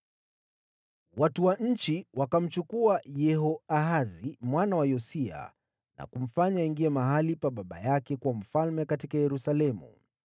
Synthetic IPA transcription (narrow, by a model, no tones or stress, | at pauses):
watuwaɲ̩t͡ʃiwakam̩t͡ʃukuajɛɦɔaɦazimwanawajɔsia̰ | na̰kum̩faɲaiŋɡiɛmaɦalipaɓaɓa̰jakɛkwam̩falmɛkatikajɛɾusalɛmṵ